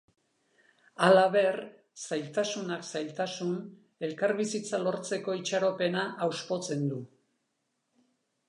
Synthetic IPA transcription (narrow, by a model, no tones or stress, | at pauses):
alaβe̞r | sajlt̪asunaksajlt̪asun | e̞lkaɾβisit͡salo̞ɾt͡se̞ko̞it͡ʃaɾo̞pe̞naʔːwspo̞t͡se̞nd̪u